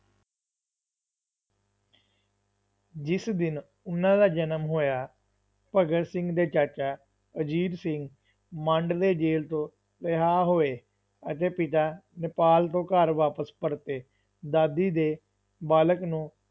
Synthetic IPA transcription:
d͡ʒɪsd̪ɪn | ʊnãːd̪aːd͡ʒənəmɦoːjaː | pəɡəɾsɪ̃ŋɡd̪eːt͡ʃəɾt͡ʃaː | əd͡ʒiːɾsɪŋɡ | mə̃ɳɖd̪eːd͡ʒeːlt̪õː | lɪɦaːɦoːeː | ət̪eːpɪt̪aːnɪpaːlt̪õːkəɾʋaːpəspəɽt̪eː | d̪aːd̪iːd̪eː | baːləknũː

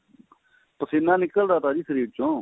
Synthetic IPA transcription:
pəseːnãːnɪkəld̪aːt̪aːd͡ʒiːsəɾiːʋɪt͡ʃõː

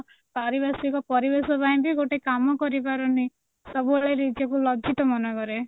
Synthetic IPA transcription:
paɾibasikɔpɔɾibesɔbaj̃biɡoʈekamɔkɔɾipaɾɔni | sɔbuaɭeɾid͡ʒɔkulɔd͡ʒit̪ɔmɔnɔkɔɾe

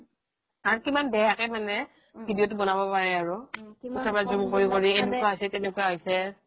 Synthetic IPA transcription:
aɹukimanbɛjakɛmanɛ | bʱidijot̬ʊbɔnabɔpaɹɛaɹʊusʰapazumkoɹikoɹiedukaɦojsɛtɛnɛkuaɦojsɛ

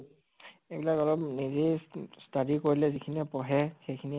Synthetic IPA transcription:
ebilakɔlɔpnizestadikoɹilɛzikʰinɛpɔɦɛxejkʰini

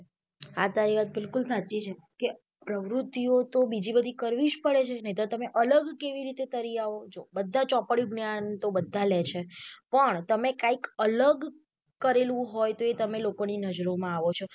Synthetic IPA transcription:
at̪aɾiʋat̪̚bɪlkulsat͡ʃit͡ʃʰe | ke | pɾəʋɾut̪ːiot̪obid͡ʒibəd̪ʱikəɾʋiʃpəɭet͡ʃʰenəɦĩt̪ot̪əmeʔələɡkeʋiɾit̪et̪əɾiaʋod͡ʒobəd̪ʱːat͡ʃɔpɽjũɡnjant̪obəd̪ʱːalet͡ʃʰepəɳt̪əmekãikələɡ | kəɾelũɦojt̪oet̪əmelokoninəd͡ʒɾomãaʋot͡ʃʰo

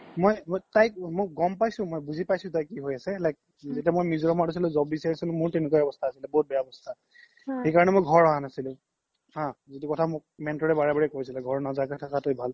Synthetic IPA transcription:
mojmjtajk̚moɡɔmpajsʊ̃mojbuzʱipajsʊ̃tajkːiɦojasɛlajk̚ | zetiamojmizɔɹɔmatusilɛzɔb̚bisaɹisilʊ̃mʊɹtenkɔaɔbɔstʰaːsilɛbɔɦut̚bɛjaɔbɔstʰa | xejkaɹɔnɛmojɡʱɔɹɔɦanasilʊ̃ | hãzitukɔtʰamʊk̚mɛntɔɹɛbaɹɛbaɹɛkoisilɛɡʱɔɹnazakɛtʰakatojbʱal

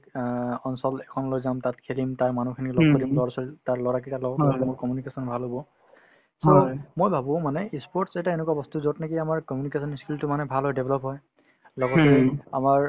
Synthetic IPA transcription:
ɔnsɔlɛkʰɔnlojzamtatkʰelimtaɹmanukʰinilɔɡkɔlimlɔɹsɔltaɹlɔɹak̬italɔɡɔtmʊɹkɔmjunikesɔnbʱalɦobɔ | somojbʱabɔ̃manɛispɔɹtsetaenɛkuwabɔstuzɔtnakiamaɹkɔmjunikesɔniskultʊmanɛbʱalɦɔjdebʱlɔpɦɔj | lɔɡɔtɛa̰maɹ

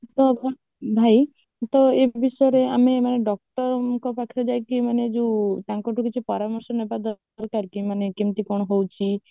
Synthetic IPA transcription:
t̪ɔbʱ | bʱaj | t̪ɔebʱisɔjɔɾeamemaneɖɔk̚ʈɔkɔpakʰi̥t̪ɔd͡ʒajkimaned͡ʒeũt̪ãŋkɔʈʰukit͡ʃʰipɔɾamɔɾsɔnebad̪ɔ | ɾkaɾkimanekimt̪ikɔɽ̃ɔɦowt͡ʃʰi

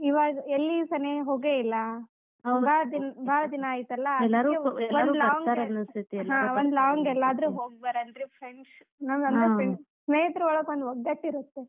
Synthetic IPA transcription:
iʋaːɡɐelːisɐneɦoːɡeilːɐ | ɡaːɭɐd̪inbʱaːlɐd̪inɐaːjit̪ɐlːɐɛlːaɾuɛloaɾuːlɐːʋɐŋɡ̪aɾɐnɐst̪ʰit̪ilːɦãːʋond̪laːɐŋɡɛlːaːd̪ɾuːɦoːɡ̚bɐɾɐndɾipʰɾeɳs | naːnɐnd̪epɾeɳ | sneːjɐt̪ɾɐɔɭɐkond̪ɔɡ̪ːɐʈːiɾut̪ːe

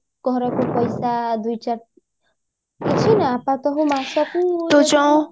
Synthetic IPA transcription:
ɡ̥ɔɾɔkupɔjsad̪ujt͡ʃaɾ | kit͡ʃʰinaːpãt̪ɔɦũmasakũot̪ot͡ʃã

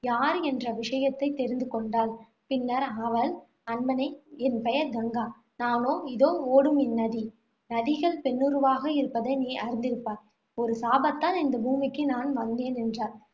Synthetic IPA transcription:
jaːɾɛndrɐʋɪʂɐjɐt̪ːɐɪt̪ːɛɾɪnd̪ɯkɔɳɖaːl | pɪnːɐɾɐʋɐl | ɐnmɐnɐɪɛnpɐjɐɾd̪ɐŋɡaː | naːnoːɪðoːoːɽɯmɪnːɐði | nɐðɪɣɐɭpɛnːɯɾɯʋaːɣɐɪɾɯpːɐðɐɪniːʔɐɾɪnd̪ɪɾɯpːaːɾ | ɔɾɯsaːbɐt̪ːaːnɪnd̪ɐbuːmɪkːɯnaːnʋɐnd̪eːnɛndraːɾ

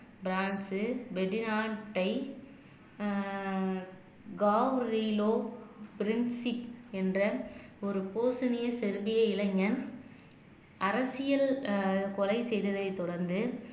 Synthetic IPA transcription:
bɪɾaːɳsɯbɛɖɪnaːʈːɐɪ | ɡaːʋɾiloːpɪɾɪnsɪpɛndrɐɔɾɯpoːsɐnɪjɐsɛɾbɪjɐɪlɐŋɡɐn | ɐɾɐsɪjɐlkɔlɐɪsɛjðɐðɐɪt̪ːɔɽɐɾnd̪ɯ

